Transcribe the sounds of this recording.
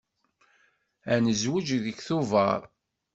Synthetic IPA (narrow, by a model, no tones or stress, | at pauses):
ænəzwəd͡ʒðəçθuvɑ̰ɾˤ